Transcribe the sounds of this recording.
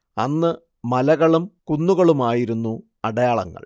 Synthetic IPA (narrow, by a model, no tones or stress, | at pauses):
ɐ̰nːɨ | mɐlɐɣɐɭumkunːuɣɐɭumaːjiɾunːu | ɐɽɐjaːɭɐ̰ŋːɐ̰ɭ